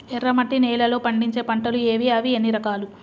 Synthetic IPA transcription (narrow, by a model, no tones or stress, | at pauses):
ɛrːɐmɐʈːinɛːlɐlo̞ːpɐɳɖiɲt͡ʃe̞ːpɐɳʈɐlueːʋiɐʋienːiɾɐkaːlu